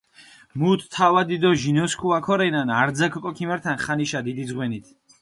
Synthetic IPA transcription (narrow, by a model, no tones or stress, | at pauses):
mut̪ʰːawad̪id̪ɔʒinɔskʰuakʰɔɾɛnanaɾd̪zakʰɔkʼɔkʰimɛɾt̪ʰanχaniʃad̪id̪izʁwɛnit̪ʰ